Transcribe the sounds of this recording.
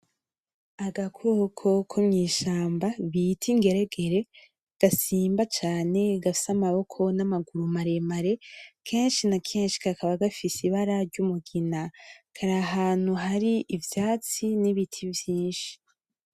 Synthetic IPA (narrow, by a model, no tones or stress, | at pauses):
aɡakʰokʰo̞kʰomɲiːʃaːmbaβitʰiŋɡe̞ɾeɡe̞ɾe̞ | ɡ̥asiːmbat͡ʃaːne̞ɡafi̥samaβo̞kʰo̞namaɡuɾumaɾe̞maɾe̞kʰe̞ːnʃinakʰe̞ːnʃi̥kakʰaβaɡafisiβaɾaɾɟumuɡinakʰaɾaɦaːn̥huɦaɾiʔivjaːt͡siniβitʰivjiːnʃi̥